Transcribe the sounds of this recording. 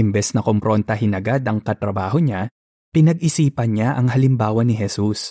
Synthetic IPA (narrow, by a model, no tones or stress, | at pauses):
ʔɪmbɛsnɐkompɾont̪ɐɦɪnɐɡad̪ɐŋkɐt̪ɾɐbaːɦoɲa | pɪnɐɡ̚ʔɪsiːpɐnɲaʔɐŋɦɐlɪmbaːwɐnɪɦɛsus